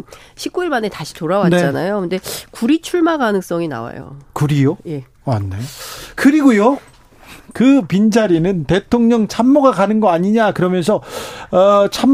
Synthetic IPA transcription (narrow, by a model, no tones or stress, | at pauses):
ɕʰik̚k͈uiɭmane̞taɕʰi̥toɾawanet͡ɕ͈ana̰jokʰɯnde̞kuɾit͡ɕʰuɭmaɡanɯŋs͈ʌŋina̰wa̰jo̰kuɾijoje̞ | anːejokɯɾiɡujo | kɯpind͡ʑaɾinɯnte̞tʰoŋɲʌŋt͡ɕʰamːoɡakanɯnɡʌaɲiɲakɯɾʌmjʌns̬ʰʌʌt͡ɕʰamː